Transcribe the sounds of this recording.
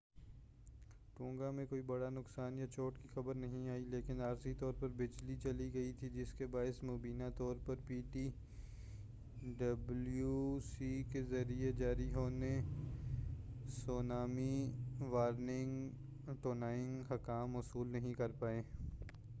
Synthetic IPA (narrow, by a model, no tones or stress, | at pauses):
ʈũːŋɡamẽkoːibɐɽanʊksaːnjat͡ʃoːʈkixɐbəɾnɐɦĩaːileːkɪnaːɾsit̪ɔːɾpɐɾbɪd͡ʒlit͡ʃɐliɡɐit̪ʰid͡ʒɪskebaːɪsmoːbiːnat̪ɔːɾpɐɾpiːʈi | ɖɐbljusikezɐɾied͡ʒaːɾiɦoːne | soːnaːmiʋaːɾnɪ̃ŋɡ | ʈoːnaːɪ̃ŋɡɦɐkaːmːʊsuːlnɐɦĩkɐɾpaːẽː